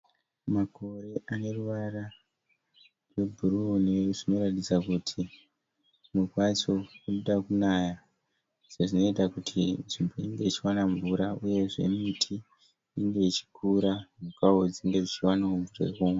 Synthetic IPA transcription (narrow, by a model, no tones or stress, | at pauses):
mako̞ɾe̞ʔane̞ruʋara | rwe̞bʱuɾuoneʐino̞ɾatid͡zakutʰi | nukwat͡ʃo̞kunoɗakunaja | ʐ̥eʐino̞itakutʰinʐimbo̞iŋɡe̞it͡ʃiwanaɱvuɾauje̞ʐe̞̰mitʰi | iŋɡe̞it͡ʃi̥kuɾamukaod͡ziŋɡe̞d͡zit͡ʃiwanauɱvurḛkuːma